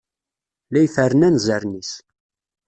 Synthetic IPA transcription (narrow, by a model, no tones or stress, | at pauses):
læjfəɾənænzəɾnis